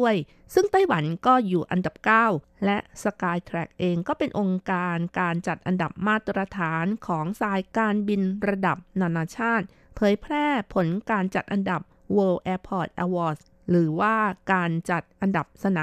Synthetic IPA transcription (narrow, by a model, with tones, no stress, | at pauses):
əj | sɯ˥˩ŋt̪a˥˩jwa˩˦nkɔː˥˩juː˨˩ʔa˧nda˨˩p̚kaː˥˩w | lɛ˦˥ʔsa˧kaː˧jt̪ʰɾɛ̰˨˩k̚ʔeː˧ŋkɔː˥˩pe˧nʔo˧ŋkaː˧nkaː˧nt͡ɕa˨˩t̪̚ʔa˧nda˨˩p̚maː˥˩t̪ɾa˧t̪ʰaː˩˦nkʰɔː˩˦ŋsaː˧jkaː˧nbi˧nɾa˧da˨˩p̚naː˧naː˧t͡ɕʰaː˥˩t̪̚ | pʰɤː˩˦jpʰɾɛː˥˩pʰo˩˦nkaː˧nt͡ɕa˨˩t̪̚ʔa˧nda˨˩p̚ | wɤː˧ʔɛː˧pʰɔː˨˩t̪̚ʔɛ̰ː˧wɔː˨˥˩s | ɾɯː˩˦waː˥˩kaː˧nt͡ɕa˨˩t̪̚ʔa˧nda˨˩p̚sa˧na˨˦